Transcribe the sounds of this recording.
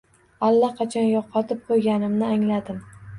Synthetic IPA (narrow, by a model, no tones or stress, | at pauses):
alːaqʰɑt͡ʃʰɒnjɒqʰːɑt̪ʰɪp̚qʰojɡʲanɪmnɪaŋlad̪ɪm